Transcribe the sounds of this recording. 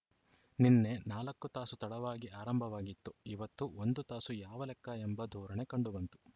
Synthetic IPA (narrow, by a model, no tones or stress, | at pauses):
ninːe̞naːlɐkːut̪aːsut̪ɐɽɐʋaːɡiʔaːɾɐmbʱɐʋaːɡit̪ːuiʋɐt̪ːuond̪ut̪aːsujaːʋɐlɛkːɐembɐd̪ʱuːɾɐɳe̞kɐɳɖubɐnt̪u̥